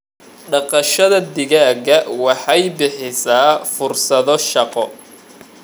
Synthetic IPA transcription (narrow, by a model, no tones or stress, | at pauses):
ɖɑqɑʃɐðɐd̪ɪɣaːɡɐwɑħɑjbɪħɪsaːfʊrsɐðɔʃɑqɔ